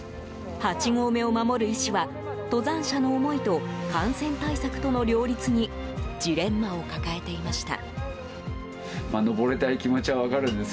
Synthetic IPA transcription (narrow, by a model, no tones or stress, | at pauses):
hat͡ɕiɡo̞ːme̞o̞mamo̞ɾɯ̟iɕiβa | t̪o̞zãɰ̃ɕano̞ːmo̞it̪o̞kãɰ̃sẽ̞nt̪aisakɯ̟̥t̪o̞no̞ɾʲo̞ːɾʲit͡sɨɲ̟id͡ʑiɾẽ̞mːao̞kakae̞t̪e̞imaɕi̥t̪a̰ | mano̞bo̞ɾe̞t̪aikʲimot͡ɕiβaβakaɾɯ̟̃nd̪es